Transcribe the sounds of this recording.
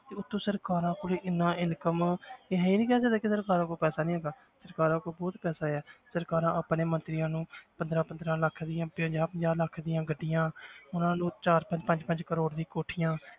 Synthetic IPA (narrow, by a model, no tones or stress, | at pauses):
t̪eːʊt̪ʰːõːsəɾkaːɾãːkoːliːʔɪnːãːɪnkəmeɦɛĩːnĩːkɛːsəd̪aːkɪsəɾkaːɾãːkoːpɛːsaːnĩːɦɛːɡaː | səɾkaːɾãːkoːbɔːt̪pɛːsaːɛːsəɾkaːɾãːəːpneːmənt̪ɾiːjãːnũːpənd̪ɾãːpənd̪ɾãːləkʰːd̪iːãːpəd͡ʒaːpəd͡ʒaːɾləkʰd̪iːãːɡəɖɪjãːʊnãːnũːt͡ʃaːɾpəɲd͡ʒpəɲd͡ʒpəɲd͡ʒkəɾoːɽd̪ĩːkoːʈʰijãː